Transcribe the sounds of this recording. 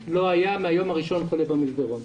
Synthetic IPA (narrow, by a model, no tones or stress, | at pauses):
loajameajo̞maʁiʃo̞nχolebamizbeʁom